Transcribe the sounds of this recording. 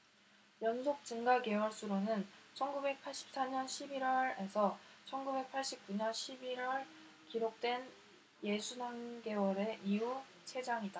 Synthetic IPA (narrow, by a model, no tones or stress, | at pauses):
jʌnsʰok̚t͡ɕɯŋɡaɡe̞wʌɭs͈uɾonɯnt͡ɕʰʌnɡube̞k̚pʰaɭɕ͈i̥p̚s͈aɲʌnɕʰibiɾwʌɾe̞sʰʌt͡ɕʰʌnɡube̞k̚pʰaɭɕ͈ip̚k͈uɲʌnɕʰibiɾwʌɭ | kiɾok̚t͈we̞n | je̞sʰunaŋɡe̞wʌɾe̞ʔiu | t͡ɕʰe̞d͡ʑaŋida